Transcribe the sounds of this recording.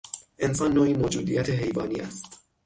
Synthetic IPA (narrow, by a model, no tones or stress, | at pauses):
ʔe̞nsɒːnːoːʔiːmoːd͡ʒuːd̪ḭːjæt̪ʰe̞ɦe̞jvɒːnḭʔæ̰st̪